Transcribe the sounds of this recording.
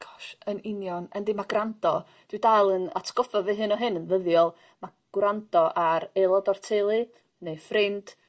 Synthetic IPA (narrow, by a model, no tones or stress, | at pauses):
ɡ̥ɔ̥ʃənɪnjɔnəndimaɡrandɔ | d̥wɨdalˠəna̰tʰɡ̥ɔfɔvɨɦɨnɔɦɨnənvəðjɔlˠ | ma | ɡ̥wrandɔʔaɾelˠɔdɔrtʰelˠɨ | nejfrɪnd̥